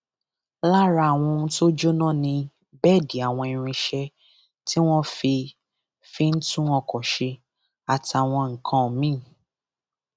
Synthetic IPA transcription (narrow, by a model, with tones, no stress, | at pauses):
la˦ɾa˧˨w̃ɔ̃˧n̩˦to˦d͡ʒo˦nã˦˨nĩ˧ | bɛ˦˨di˨a˨w̃ɔ̃˧i˨˧ɾ̃ĩ˧ʃɛ˧ | ti˦w̃ɔ̃˦fi˧ | fi˧n̩˦tũ˦ɔ˧kɔ˨ʃe˧ | a˨ta˨w̃ɔ̃˧ŋ̩˨kʰã˧˨mĩ˦˨